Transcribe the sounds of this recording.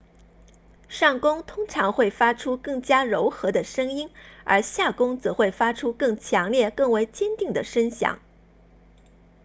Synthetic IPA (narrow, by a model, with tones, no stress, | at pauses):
ʂɑ˥˩ŋkʊ˥ŋt̪ʰʊ˥ŋʈ͡ʂʰɑ˧˥ŋxwe˥˩ɪfa˥ʈ͡ʂʰu˥kɤ˥˩ŋt͡ɕja˥ɻʊ˧˥ʊxɤ˧˥d̪ə˧ʂɤ˥ŋi˥nə̰˞˧˥ɕja˥˩kʊ˥ŋt͡sɤ˧˥xwe˥˩ɪfa˥ʈ͡ʂʰu˥kɤ˥˩ŋt͡ɕʰjɑ˧˥ŋljɛ˥˩kɤ˥˩ŋwe˧˥ɪt͡ɕjɛ˥nt̪i˥˩ŋd̪ə˩ʂə˥nɕjɑ̰˨˩˦ŋ